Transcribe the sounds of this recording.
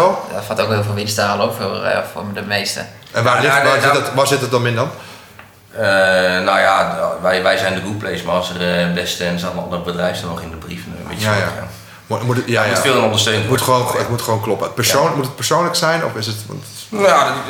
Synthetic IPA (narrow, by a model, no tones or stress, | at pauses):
ɔdɔtfatowkɦɪːlˠvɪlˠʋɪnstaːləopfo̰fo̰dəmejstə̰ | ʔɛnʋaːlɪazɪdtʋasɪtət̚dɔnɪndɔn | ənawjaʋɛjʋɛjzɛjndəɡuplejsmarɔsərdɛstənsatənɑ̰ndərbədrɛjfsdɔnɔχɪndəbrifənmɪjaja | mmutjajatfɪːlˠənondəstøːnəmutxəʋoːnətmutχəʋoːnklɔpəət̚pərsonmutət̚pərsoːnləksɛjnɔ̰fɪsətʋɔ̰nt | a